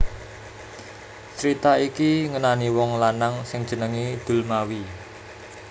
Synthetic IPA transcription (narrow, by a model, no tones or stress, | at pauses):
t͡ʃɾit̪aikiŋənaniwɔŋlanaŋsɪŋ̥d͡ʒ̥ə̤nəŋid̪̥ṳlmawi